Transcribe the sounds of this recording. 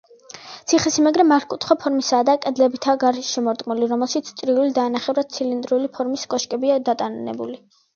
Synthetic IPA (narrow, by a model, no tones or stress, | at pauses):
t̪sʰiχɛsimaɡɾɛmaɾkʼut̪ʰχwapʰɔɾmisaːd̪akʼɛd̪lɛbit̪ʰaːɡaɾʃɛmɔɾd̪ʼɡʼmuliɾɔmɛlˠʃit̪sʰt̪sʼɾiulid̪aːnaχɛvɾad̪̥̚t̪sʰilind̪ɾulipʰɔɾmiskʼɔʃkʼɛbiad̪at̪ʼannɛ̰buli